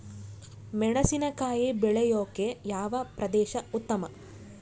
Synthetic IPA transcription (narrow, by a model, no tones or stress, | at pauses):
mɛɳɐsinɐkaːjibɛɭejoːkejaːʋɐpɾɐd̪ɛːʃɐut̪ːɐmɐ